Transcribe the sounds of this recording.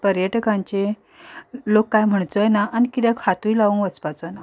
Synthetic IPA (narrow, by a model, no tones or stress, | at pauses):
pəɾjəʈkãɲt͡ɕe | lokːajm̤əɳt͡sɔjenaʔanikit̪jakʰat̪ujlaʋũŋʋət͡spat͡sɔjna